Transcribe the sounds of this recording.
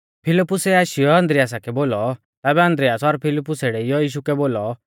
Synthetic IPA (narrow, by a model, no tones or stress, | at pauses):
pʰɪlɪpːʊsɛaːʃijɔɐ̃nd̪ɾɪjaːs̬akɛboːlɔ | t̪ɛːbɛɐ̃nd̪ɾɪjaːsɔɾpʰɪlɪpːʊseɽɛɪjɔjiːʃ̬ukɛboːlɔ